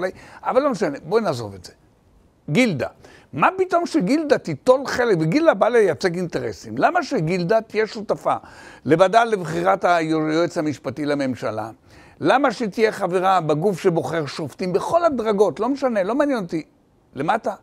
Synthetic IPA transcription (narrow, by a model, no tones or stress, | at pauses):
lajʔavalːo̞meʃane̞bonaːzo̞̰vetz̥e | ɡild̪a̰ | mapito̞mʃeɡild̪at̪it̪o̞lχe̞lekveɡildabalejat͡seɡinteʁḛsimlamaʃeɡild̪at̪ijeʃutafale̞vadalevχiʁathajojoet͡shamiʃpatilame̞mʃala̰ | lamaʃet̪ije̞χaveʁabeɡufʃebo̞χe̞ʁʃoft̪imbeχo̞lhadʁaɡo̞tlo̞meʃane̞lo̞maːnjenot̪i | lemata